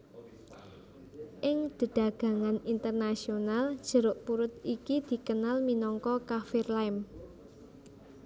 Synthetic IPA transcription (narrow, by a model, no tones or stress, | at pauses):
ʔɪŋd̪̥ə̤ɖ̥ä̤ɡ̥ä̤ŋanint̪ərnasionald̥ʒ̥ə̤ɾʊʔpuɾʊt̪̚ikid̪̥i̤kənalminɔŋkɔkafɪrlaɪm